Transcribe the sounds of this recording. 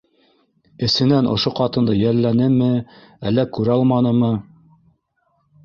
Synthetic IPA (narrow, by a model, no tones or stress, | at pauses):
ɘ̆sɘ̆nænʔŏ̰ʃoqɑt̪ɤ̆nd̪ɤjælːænɘmɘ | ælːækʉɾɑlˠmɑnɤmɤ